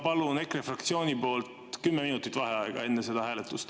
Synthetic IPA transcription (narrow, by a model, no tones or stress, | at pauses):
pɑlune̞krefrɑkt̪sio̞ːnʲipo̞ːlt̪ | kymːeminut̪ːˑit̪ːˑvɑɦeɑeɡ̥ɑ̰e̞nːese̞d̪ɑhæːle̞t̪ːˑust̪